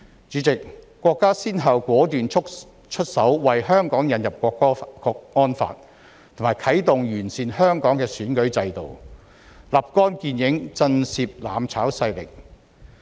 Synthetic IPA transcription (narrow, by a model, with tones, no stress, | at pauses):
t͡ʃyː˨˥t͡sɪ˨k̚ː | wɔː˧kːaː˥siː˥nɦɐ˨wkʷɔː˨˥t̪yː˨nt͡ʃʰʊ˥k̚ | t͡ʃʰɵ˥t̚sɐ˨˥wwɐ˨jɦœː˥ŋkɔː˨˥ŋjɐ˨njɐ˨p̚kʷɔː˧kːkɔː˧k̚ɔː˥nfa̰ː˧t̚ | t̪ʰʊ˨˩ŋmaː˨˩jkʰɐ˨˥jt̪ʊ˨ŋjyː˨˩nsiː˨nhœː˥ŋkɔː˨˥ŋkɛː˧syː˨˥nkɵ˨˥ɥt͡sɐ˧jt̪o̰˨˩w | laː˨p̚kɔː˥nkiː˧njɪ˨˥ŋt͡sɐ˧nsiː˧p̚la̰ː˨˥mt͡sʰaː˨˥wsɐ˧jlɪ̰˨k̚